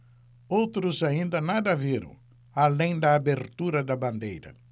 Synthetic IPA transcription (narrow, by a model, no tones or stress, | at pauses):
owt̪ɾʊzaĩnd̪ɐnad̪ɐviɾɐ̰̃w̃ | alẽj̃d̪ɐːbeɾt̪uɾɐd̪ɐbɐ̃nd̪ejɾɐ̰